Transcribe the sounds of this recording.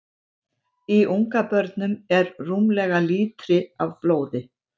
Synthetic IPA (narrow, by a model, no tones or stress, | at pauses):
iʔuŋkapœɾt̪nʏmɛɾruːmlɛɣaliːt̪ɾɪavfloːwðɪ